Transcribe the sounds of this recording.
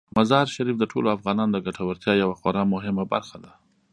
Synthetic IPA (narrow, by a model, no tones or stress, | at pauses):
mazɑɾʃaɾifd̪əʈʰoloafɣɑnɑnod̪əɡaʈʰawəɾt̪jɑjawaxoɾɑmʊɦɪmaba̰ɾxad̪a